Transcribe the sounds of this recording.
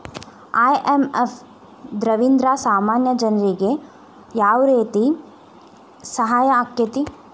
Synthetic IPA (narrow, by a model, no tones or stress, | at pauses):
ajʔemef | d̪ɾɐʋind̪ɾaːsaːmaːnjɐd͡ʒɐnɐɾiɡe | jaːʋɾeːt̪i | sɐɦaːjɐːkjɐt̪i